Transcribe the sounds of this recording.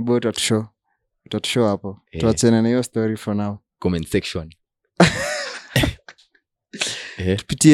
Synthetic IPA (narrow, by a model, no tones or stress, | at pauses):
ɓɔtwatu̥ʃɔ | twatu̥ʃɔhapɔtuat͡ʃɛnanaijɔstɔɾifɔnaɔ | kɔmɛnsɛkʃɔn | tu̥pitiɛ